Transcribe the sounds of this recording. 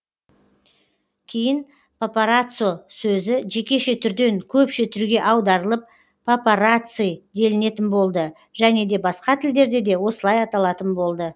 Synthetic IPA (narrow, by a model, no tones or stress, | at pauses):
kʲʰejɪn | popaɾat̪sɨosɵzɪʒe̞kʲe̞ʃet̪ʰʏɾd̪e̞ŋkʲʰɵpʃɪt̪ʰʏɾuɡʲe̞ʔɑwd̪ɑɾəlˠəp̚ː | opoɾat̪sɨjd̪e̞lɪne̞t̪ɪnbo̞lˠd̪ə | ʒ̥æne̞d̪e̞bɑsqɑt̪ʰɪld̪e̞ɾd̪e̞d̪e̞wo̞səlˠɑjɑt̪ɑlˠɑt̪ənbo̞lˠd̪ə